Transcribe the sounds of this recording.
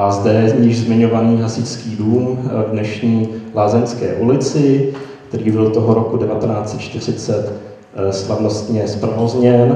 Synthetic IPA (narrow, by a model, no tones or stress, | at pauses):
ʔazdɛɲɪʒzmɪɲo̞vaniːɦasɪskiːduːmvdnɛʃɲiːlaːzɛɲskɛ̰ːʔulɪt͡sɪkt̪ɛɾiːbɪlt̪oɦoɾokudɛvat̪ɛnaːt͡sɛt̪̚t͡ʃt̪ɪr̝ɪt͡sɛt̪ | slavno̞st̪ɲɛspɾvozɲɛn